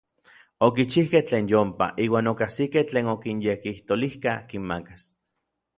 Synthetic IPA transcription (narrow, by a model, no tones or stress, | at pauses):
okit͡ʃihkeht͡ɬeːnjompa̰ʔiːwaːnokahsikeht͡ɬeːnokinjekiht̪olihkahkimmakas